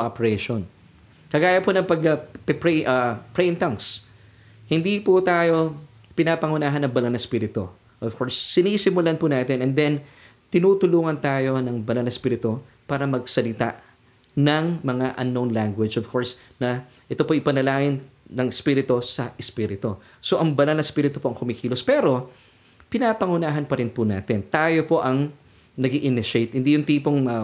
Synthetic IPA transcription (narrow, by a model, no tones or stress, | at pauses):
ʔapɛɹɛʃon | kɐɡaːjɐponɐŋpɐɡ̚ɐpɛpɛʔɐpɹɛjnt̪ɐŋs | hɪnd̪iput̪aːjo̞ | pɪnapɐŋʊnaːɦɐnɐŋbɐlɐnɐspiːɾɪt̪o̞̰ | ʔov̥kʰo̞ɹsːɪnisɪmʊlanpunaːt̪ɪnʔɛnd̪ɛn | t̪ɪnuːt̪ʊluːŋɐnt̪aːjo̞nɐŋbɐlɐnɐspiːɾɪt̪o̞ | paːɾɐmɐɡ̚sɐlɪt̪a̰ʔ | nɐŋmɐŋaʔɐ̰nːonlaŋɡwɪd͡ʒʔovkʰoɹs | nɐ | ʔɛt̪opoʔɪpɐnɐlaːŋɪnnɐŋɛspiːɾɪt̪osɐʔɛspiːɾɪt̪o | so̞ʔɐŋbɐnɐlnɐspiːɾɪt̪opo̞ʔɐŋkʊmɪkiːlospɛɾo̞ | pɪnapɐŋʊnaːɦɐnpɐɾɪnpʊna̰ːt̪ɪnt̪aːjo̞po̞ʔɐŋ | nɐɡiʔɪnɪʃejt̪hɪnd̪ijʊnt̪iːpoŋmɐ